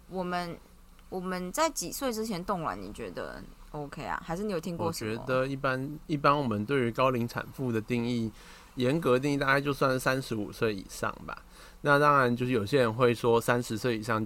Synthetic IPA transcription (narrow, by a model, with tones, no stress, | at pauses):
wɔ˨˩mə˦n | wɔ˨˩mə˦nt͡sa˥˩ɪt͡ɕi˨˩swe˥˩ɪʈ͡ʂɻ̩˥t͡ɕʰjɛ˧˦nt̪ʊ˥˩ŋwa̰˧˥nnḭ˨˩t͡ɕɥɛ̰˧˥d̪ə̰˧˨o˧˥ʊkʰe˥ɪa̰˨xa˧ɪʂɻ̩˥˩i˧˥jo˨˩t̪ʰi˥˦ŋwkwɔ˥˨ʂə˨ɥɛm̰˧˦˥d̪ə˨i˥˩pa˦ni˥˩pa˥nwɔ˨˩mə˦nt̪we˥˩ɪy˧˥kɑ˥ʊli˧˥ŋt͡sʰa̰˨˩nfu˥˩d̪ə˩t̪i˥˧ŋi˥˩ | jɛ˧˦nk̬ɤ˧˥t̪i˥˧i˥˧t̪a˥˧kt͡ɕjo˥˧swa˥˧n˨˩sa˦˥nʂɻ̩˧˦˥u˨˩swe˥˩ɪḭ˨˩ʂɑ̰˥˩ŋba̰˨˩ | na˥˨t̪ɑ˦ŋɻa˧˦nt͡ɕjo˥˧ʊʂɻ̩˥˩o˨˩ʊɕjɛ˦˥ɻə˧˦nxwe˥˩ɪʂwɔ˦sa˦˥nʂɻ̩˧˦swe˥˩ɪi˨˩ʂɑ˥˧ŋ